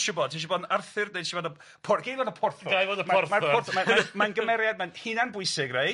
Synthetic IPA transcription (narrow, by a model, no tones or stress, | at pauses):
ʃʊbɔdtʰiʃ̬ibɔdarθɪrdneʃibɔdə | pʰɔɡ̥ejvɔdəpʰɔrθɔɡajvɔdəmaɔrmapɔrθɔmaamanɡəmɛɾjad̚manhɪnanbʊɨsɪɡrej